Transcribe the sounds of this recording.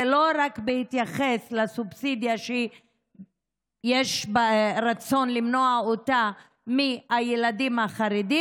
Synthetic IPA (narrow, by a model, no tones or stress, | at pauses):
elo̞ɾakbehit̪jaχeslasubsid̪jaʃe | jeʃbɾat͡so̞nlimnoaota | miajelad̪imhaχaɾed̪i